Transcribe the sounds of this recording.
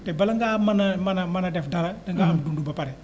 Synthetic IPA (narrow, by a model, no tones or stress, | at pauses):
tebɐlɐŋɡaːmɐnɐmɐnɐmɐnɐdɛfdɐlɐdɐŋɡaːamdundubɐpaɾɛ